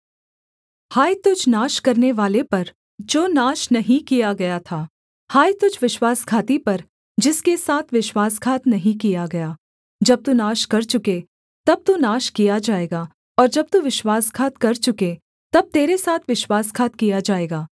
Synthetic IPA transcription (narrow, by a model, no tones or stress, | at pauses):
haːit̪ʊd͡ʒnaːʃkɐɾneʋaːlepɐɾ | d͡ʒoːnaːʃnɐɦĩkijaɡɐjat̪ʰaː | haːit̪ʊd͡ʒʋɪʃwaːskʰaːt̪ipɐɾ | d͡ʒɪskesaːt̪ʰʋɪʃwaːskʰaːt̪nɐɦĩkijaɡɐjaː | d͡ʒɐb̚t̪unaːʃkɐɾt͡ʃʊke | t̪ɐb̚t̪unaːʃkijad͡ʒaːeːɡaː | ɔːɾd͡ʒɐb̚t̪uʋɪʃwaːskʰaːt̪̚kɐɾt͡ʃʊke | t̪ɐb̚t̪eːɾesaːt̪ʰʋɪʃwaːskʰaːt̪̚kijad͡ʒaːeːɡaː